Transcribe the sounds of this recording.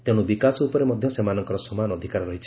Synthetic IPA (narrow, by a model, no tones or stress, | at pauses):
t̪ẽubikasɔupɔɾemɔd̪ʱjɔsemanɔŋkɔɾɔsɔmanɔd̪ʱikaɾɔɾɔɦit͡ʃʰi